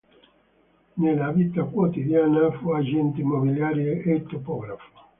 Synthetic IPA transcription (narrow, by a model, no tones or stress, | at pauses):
nelavit̪akwot̪id̪jaːnafuad͡ʒɛnt̪eimːobiljaːɾjeet̪ːopɔɡɾafo̥